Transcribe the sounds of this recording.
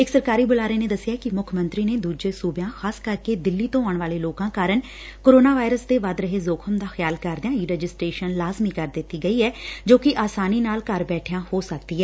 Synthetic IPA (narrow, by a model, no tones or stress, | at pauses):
ɪksəɾkaːɾiːbʊlaːɾeːneːd̪əsːɪjaːkɪmʊkʰmənt̪ɾiːneːd̪uːd͡ʒeːsuːbjãːxaːskəɾkeːd̪ɪlːiːt̪õːaːɳʋaːleːloːkãːkaːɾəɳ | koːɾoːnaːʋaːɪɾəsd̪eːʋad̪ɾəɦeːzoːkʰəmd̪aːxjaːlkəɾd̪jãːiːɾɛːd͡ʒɪsʈɾeːʃənlaːzmiːkəɾd̪ɪt̪ːiːɡəiːɛːd͡ʒoːkɪʔaːsaːniːnaːlkəɾbɛːʈʰɪjãːhoːsəkd̪iːɦɛː